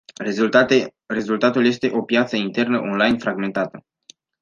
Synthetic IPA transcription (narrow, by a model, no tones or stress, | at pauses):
re̞zult̪at̪ulje̞st̪e̞ʔo̞pjat̪səint̪e̞rnəʔo̞nlajnfɾaɡme̞nt̪at̪ə